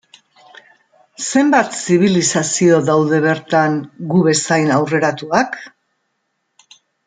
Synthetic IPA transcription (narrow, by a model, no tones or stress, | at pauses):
se̞mbat̪siβ̞ilisasio̞ðawðe̞β̞e̞ɾt̪aŋɡuβe̞sajnawre̞ɾat̪uak